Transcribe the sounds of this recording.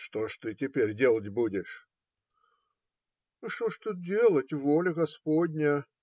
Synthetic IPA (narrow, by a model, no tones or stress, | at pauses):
ʂt̪oʂt̪ɨtʲɪpʲeɾʲdʲe̞lˠətʲbudʲɪʂ | ʂt̪oʂt̪ut̪̚dʲe̞lˠətʲvolʲɪɡɐspodʲnʲə